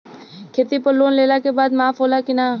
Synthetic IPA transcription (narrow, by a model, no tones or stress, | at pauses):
kʰeːt̪ipəlːoːnleːlaːkebaːd̪maːfɦoːlaːkɪnaː